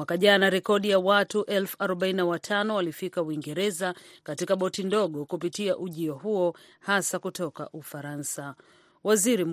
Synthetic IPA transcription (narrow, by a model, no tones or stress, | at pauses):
akaʄanaɾɛkɔɗijawatuʔɛlfu̥aɾɔɓainawatʰanɔwalifikawiŋɡɛɾɛzakatikaɓɔtindɔɠɔkupitiaʔuʄiɔhuɔ | hasakutɔka̰ʔufaɾansa | waziɾim̩